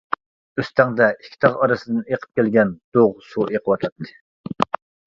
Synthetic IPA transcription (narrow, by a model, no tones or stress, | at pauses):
øst̪ʰɛŋd̪ɛikʲʰːi̥t̪ʰɑʁɑɾɨsɨd̪ɨneqʰə̥p̚kʲælɡʲɛnd̪̥oʁsuʔeqʰəwɑt̪ʰlˠɑt̪ʰːɨ̥